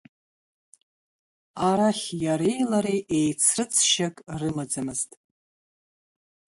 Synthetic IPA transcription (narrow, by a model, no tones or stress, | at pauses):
aɾaχʲjaɾejlaɾejʔejt͡sʰrɨt͡sʰʃakʼrɨmad͡zamɨztʼ